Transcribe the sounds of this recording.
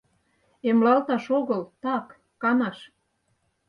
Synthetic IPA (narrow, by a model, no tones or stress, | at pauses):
emlɑlt̪ɑʃoɣɤlt̪ɑkː | ɑnɑʃ